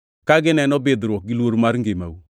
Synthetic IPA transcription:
kaɡɪnɛnɔbedɾɔk̚ɡilwoɾmaɾŋɡema̰wu

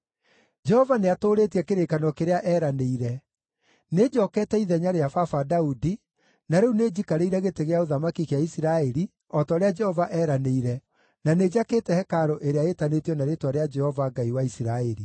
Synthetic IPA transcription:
d͡ʒɛhɔvaneatoːɾetiɛkeɾekanɔkeɾeaʔɛːɾaneiɾɛ | ned͡ʑɔːkɛːtɛiðɛɲaɾeafafadaudi | naɾeuned͡ʑikaɾeiɾɛɣeteɣeaoðamakikeaisiɾaɛɾi | ɔtɔːɾead͡ʒɛhɔvaʔɛːɾaneiɾɛ | naned͡ʑaketɛhɛkaɾoʔeɾeaetanetjɔnaɾetwaɾead͡ʒɛhɔvaɡaiwaisiɾaɛɾi

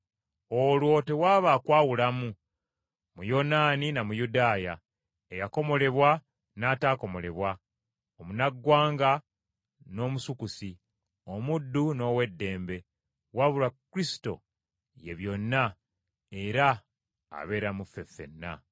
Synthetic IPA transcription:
o̞lwo̞te̞waːβaːkwaːwulamu | mujo̞naːninamujudaːja | ejako̞mo̞le̞βwa | naːtaːko̞mo̞le̞βwa | omunaɡːwaːŋɡa | no̞ːmusukusi | o̞mudːuno̞ːwe̞dːe̞ːmbe̞ | waβulakuɾisi̥to̞̰ | je̞βjo̞nːa | e̞ɾa̰ː | βe̞ːɾamufe̞fe̞̰nːa̰

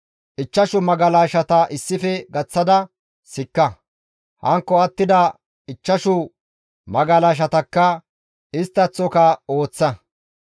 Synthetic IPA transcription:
ʔɪt͡ʃːɐʃʊmɐɡɐlaːʃɐt̪ɐʔɪsːɪfɛɡɐt͡sːɐd̪ɐ | sɪkːɐ | hɐŋkːɔɐt̪ːɪd̪ɐ | ɪt͡ʃːɐʃʊ | mɐɡɐlaːʃ̬ɐt̪ɐkːɐ | ɪst̪ːɐt͡sːɔkɐo̞ːt͡sːɐ

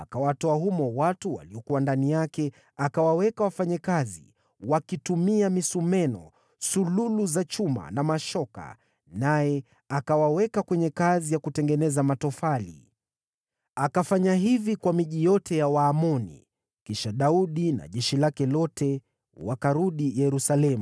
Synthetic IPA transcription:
akawatɔahumɔwatuwa̰liɔkuwandanijakɛ | akawawɛkawafaɲakazḭ | wakitumiamisumɛnɔ̰ | sululuzat͡ʃuma̰namaʃɔka̰ | najɛ | akawawɛkakwɛɲɛkazijakutɛŋɡɛnɛzamatɔfalḭ | akafaɲaɦivikwamiʄijɔtɛjawaːmɔnḭ | kiʃaɗauɗina̰ʄɛʃilakɛlɔtʰɛ | wakaɾuɗijɛɾusalɛmu

